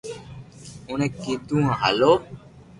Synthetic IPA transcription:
ʊnẽkid̪ũːãɦa̰loː

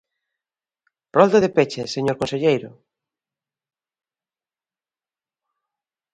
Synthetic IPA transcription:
rɔld̪oðepet͡ʃeseɲoɾkõnseʎejɾʊ

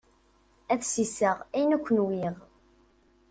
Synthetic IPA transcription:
æθsisəʁæjənækʷːənwiʁ

